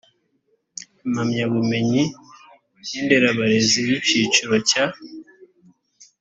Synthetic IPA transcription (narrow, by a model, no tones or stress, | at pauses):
mhamɲaβume̞ɲi | ɟeːnde̞ɾaβaɾe̞ziβiciːt͡ʃiɾo̞ca